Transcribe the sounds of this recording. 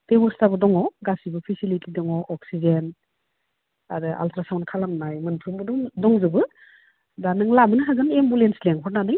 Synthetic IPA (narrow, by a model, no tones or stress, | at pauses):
d̥ebɔɾstabɯdɔŋɔwɡasibɯpʰisilitidɔŋɔʔɔksizen | a̰dɯʔa̰ltʰɾasawnkʰalamnajmɯnpʰɾumbɯdɔdɔŋzɯbɯ | danɯŋlabɯnɯɦaɡɯnembulensleŋpʰɔɾnanɯj